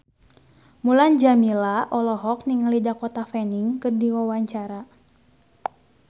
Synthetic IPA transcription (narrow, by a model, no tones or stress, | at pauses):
muland͡ʒamilaʔɔlɔɦɔk̚niŋalidakɔt̪afɛniŋkɨrdiwawaɲt͡ʃaɾa